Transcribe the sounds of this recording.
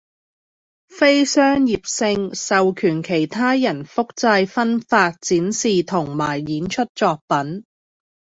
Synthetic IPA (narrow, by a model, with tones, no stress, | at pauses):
fe˥jsœː˥ŋjiː˨p̚sɪ˧ŋsɐ˨wkʰyː˨˩nkʰe˨˩jt̪ʰaː˥jɐ˨˩nfʊ˥k̚t͡sɐ˧jfɐ˥nfaː˧t̚t͡siː˨˥nsiː˨t̪ʰʊ˨˩ŋmaː˨˩jːiː˨˥nt͡ʃʰɵ˥t̚t͡sɔː˧k̚pɐ˨˥n